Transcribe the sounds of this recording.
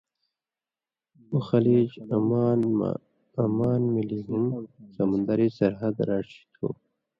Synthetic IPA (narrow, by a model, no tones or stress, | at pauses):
uxɐliːd͡ʑmːn | ɐmaːnmiliɦumsɐmund̪ɐɾisɐɾɦɐd̪ɾaːʂi̥t̪ʰo̰ː